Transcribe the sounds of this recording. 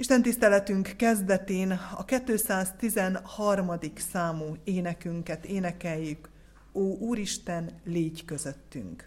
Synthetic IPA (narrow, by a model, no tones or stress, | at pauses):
iʃt̪ɛnt̪ist̪ɛlɛt̪yŋkːɛzd̪ɛt̪eːnɒ̰kɛt̪ːøːsaːzt̪izɛnhɒrmɒd̪iksaːmuːeːnɛkyŋkɛt̪eːnɛkɛjːyk | oːʔuːɾiʃt̪ɛnleːɟkø̞zøt̪ːy̰ŋk